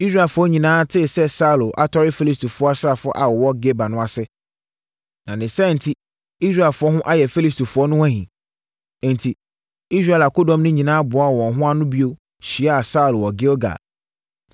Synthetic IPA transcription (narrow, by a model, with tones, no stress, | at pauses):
i˦s̬ɾa˦ɛ˨fʊ˨˦ɔ˦ɲĩ˨nãː˨˦tʰɪ˦˨sɛ˦sa˦u˨lo˨ʔa˦tʰɔ˦ɾɪ˦fi˦li˦stu˨fʊ˨˦ɔ˦a˦sa˨fʊ˨˦ɔ˦ʔa˨wɔ˨wɔ˦ɡe˦ba˨nʊ̃˦a˨sɪ˦ | nã˨nɪ̃˨sɛ˦˨n̩˨tʰi˦ | i˦s̬ɾa˦˨lfʊ˨˦ɔ˦ɦʊ̃˦ʔa˦jɛ˨fi˦li˦stu˨fʊ˨˦ɔ˦nʊ̃˦wã˦ɦĩ˨ | n̩˨tʰi˨ | i˦sɾa˦˨la˨ko˦dɔ̃˨mnʊ̃˦ɲĩ˨nãː˦bʊ˨a˦˨wɔ̃˨nɦʊ̃˦a˦nʊ̃˦bi˦o˦ | ɕi˨ɛ˦a˨sa˦u˨lwɔ˨ɡe˦o˦ɡa̰˨